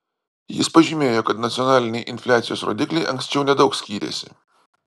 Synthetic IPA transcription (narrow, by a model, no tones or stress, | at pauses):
jɪ̰spɐʒʲimʲeːjoːkɐt̪nɐt̪sʲɔnɑːlʲɪnʲɛɪʔɪnʲfʲlʲæːt̪sʲɪjoːsɾo̰ːd̪ʲɪklʲɛɪʔɐŋksʲt͡ʃʲɛʊnʲɛd̪ɒʊksʲkʲiːɾʲḛːsʲɪ̰